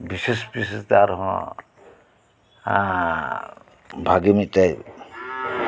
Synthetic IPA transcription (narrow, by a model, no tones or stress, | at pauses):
bisespist̪aɾɦɔ̰̃ | bʱaɡimit̪̚ˀtaj